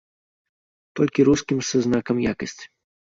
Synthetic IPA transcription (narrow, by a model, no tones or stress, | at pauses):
t̪ɔlʲkʲiɾuskʲimsɨznakɐmjakɐsʲt͡sʲi̥